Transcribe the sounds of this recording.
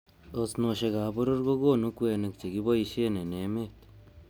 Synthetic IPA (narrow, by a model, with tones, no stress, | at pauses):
o˧sno˧ʃe˧ɡa˨bo˦ɾo˦ɾɡo˦ɡo˦˨nu˦kwe˧na˧k̚t͡ʃe˨ɡi˦bo˦ji˧ʃe˦ne˨ne˨˦me˦t̪